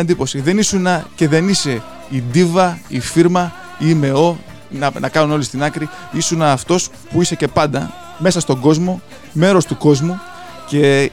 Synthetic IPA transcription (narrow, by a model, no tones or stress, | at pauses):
ɐnd̪ipo̞siðe̞nisunɐce̞ðe̞nise̞ | id̪ivɐifiɾmɐ | ime̞o̞ | nɐnʔɐ̰kɐnuno̞list̪inɐkɾiisunɐːft̪o̞s | puise̞ce̞pɐnd̪ɐ | me̞sɐst̪o̞ɡo̞zmo̞ | me̞ɾo̞st̪uko̞zmu | ce̞